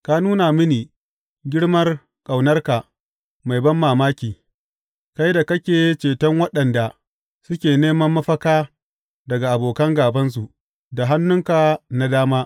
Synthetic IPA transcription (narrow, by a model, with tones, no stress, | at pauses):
ka˦nuː˦na˨mɪ˦niː˨ | ɡʲɪ˦ɽmɐ˦r | kʼa˨wnɐ˦rka˨ʔ | ma˨jbɐ˦mːaː˨maː˦kʲiː˨ | ka˦jda˨kɐ˦kʲeː˨˦t͡ʃeː˨tɐ˦ŋwɐ˦ɗɐ˨nda˨ | sʊ˦kʲeː˨neː˦mɐ˦mːɐ˦ɸɐ˦kaː˦ | dɐ˨ɡa˨ʔa˨boː˨kɐ˦ŋɡaː˨bɐ˦ns̬u˨ʔ | da˨ɦa˦nːʊ˦ŋka˨na˦daː˦maː˦